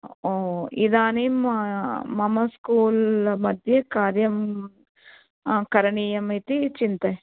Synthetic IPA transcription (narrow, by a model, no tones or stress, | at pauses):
oːid̪aːni | mɐmɐskuːlmɐd̪ʱjɐkaːɾjɐm | kɐɾɐɳiːjɐmit̪it͡ʃint̪ɐ